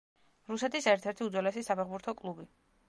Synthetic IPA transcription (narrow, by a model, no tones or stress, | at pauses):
ɾusɛt̪ʰisɛɾt̪ʰɛɾt̪ʰiud̪zwɛlɛsisapʰɛʁbuɾt̪ʰɔkʼlˠubi